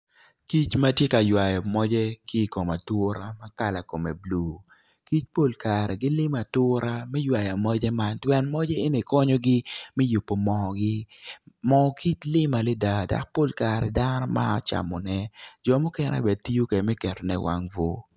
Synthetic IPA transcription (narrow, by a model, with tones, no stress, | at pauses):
ki˦t͡ʃma˦tje˦ka˨jwa˨jɔ˨mɔ˦d͡ʒɛ˦kɪ˦˨ko˨ma˨tʊ˦ɾa˦ma˦ka˦la˨ko˨mɛ̰˨blu˨ | ki˦t͡ʃpo˦lka˨ɾɛ˨ɡɪ˦lɪ˦ma˨tʊ˦ɾa˦mɛ˦jwa˨ja˨mɔ˦d͡ʒɛ˦ma˦ntwɛ˦nmɔ˦d͡ʒɛ˦e˦ni˨kɔ˦ɲɔ˦ɡɪ˦mɛ˦ju˨pːo˨mɔ˨ɡɪ˦mɔ˨ki˦t͡ʃlɪ˦ma˨lɛ˦da˨da̰˨k̚po˦˨lka˨ɾɛ˨da˦nɔ˦ma̰˦ɔ˦t͡ʃa̰˨mɔ˨nɛ˦d͡ʒɔ˨mʊ˦kɛ˦n˦a̰˨bɛ˨d̚ti˦jo˦kɛ˨mɛ˦kɛ˨tɔ˨nɛ̰˦wʔa̰˦ŋvo˦